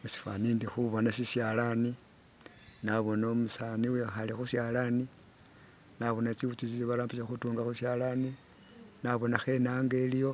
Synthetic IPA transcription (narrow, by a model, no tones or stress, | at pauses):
usi̥fa̰niːndixuβo̞nasisjalani | naβo̞naomusaniwexalixusjalani | naβo̞nat͡siβut͡ʃusisiβalaːmbiʃaxutuːŋɡaxusjalani | naβo̞naxe̞naːŋɡelijo̞